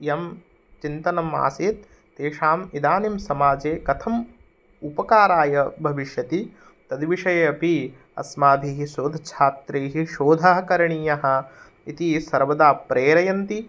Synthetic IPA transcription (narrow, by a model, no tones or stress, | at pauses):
jɐm | t͡ʃint̪ɐnɐma̰ːsiːt̪̚ː | eːʂaːmid̪aːnimsɐmaːd͡ʒeːkɐt̪ʰɐm | upɐkaːɾaːjɐbʱɐʋiʃjɐt̪i | t̪ɐd̪ʋiʂɐjɐɐpi | ɐ̰smaːd̪ʱiːɦiʃoːd̪ʱɐt͡ʃʰaːt̪ɾeːɦiʃoːd̪ʱaːɦɐkɐɾɐɳiːjɐɦɐ̆ | it̪isɐɾʋɐd̪aːpɾeːɾɐjɐnt̪i